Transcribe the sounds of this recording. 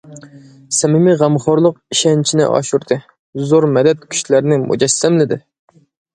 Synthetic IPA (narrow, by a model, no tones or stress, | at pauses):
sɛmɪmɪʁæmχoɾlˠəq̚iʃɛnt͡ʃʰinɪ̰ʔɑ̰ʃuɾt̪ʰɨ | zoɾmɛd̪ɛt̪̚kʲʰy̥ʃlæɾnɪmṵd͡ʒɛsːæmlɪd̪ɪ